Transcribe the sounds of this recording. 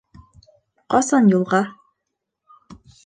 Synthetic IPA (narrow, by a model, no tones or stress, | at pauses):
qɒsɑnjulˠʁɑ